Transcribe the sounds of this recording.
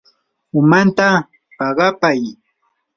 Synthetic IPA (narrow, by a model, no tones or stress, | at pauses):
ʊmant̪a | pɑɢɑpaj